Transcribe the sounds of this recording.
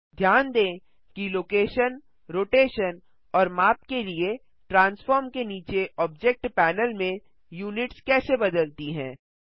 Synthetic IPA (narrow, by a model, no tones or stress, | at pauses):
d̪ʱjaːnd̪ẽː | kiloːkeːʃən | ɾoːʈeːʃən | ɔːɾmaːpkelie | ʈɾãːnsfɔːɾmkeniːt͡ʃeʔɔːb̚d͡ʒɛk̚ʈpɛːnəlmẽ | juːnɪʈskɛːsebɐd̪əlt̪iɦɛ̰̃ː